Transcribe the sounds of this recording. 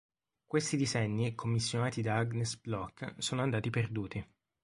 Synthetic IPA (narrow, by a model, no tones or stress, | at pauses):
kwest̪id̪izɛɲːikʰomːisːjonaːt̪id̪aaɡnesblɔkːsoːnoand̪aːt̪iperd̪uːt̪i